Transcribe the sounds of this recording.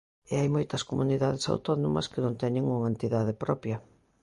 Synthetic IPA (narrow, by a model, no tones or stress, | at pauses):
eajmɔjt̪ɐskomuniðaðɪsa̰wt̪ɔno̰mɐ̰skɪnõnt̪ɛɲɪŋuŋɐent̪iðaðɪpɾɔpjɐ